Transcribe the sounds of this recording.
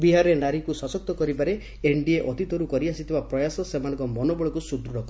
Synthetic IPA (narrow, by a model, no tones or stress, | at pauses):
biɦaɾɔɾenaɾikusɔsɔk̚t̪ɔkɔɾibaɾe | eɳɖieʔɔt̪it̪ɔɾukɔɾiasit̪ʰibapɾɔjasɔsemanɔ̃ŋkɔmɔnobɔɭɔkusud̪ɾuɾɔkɔ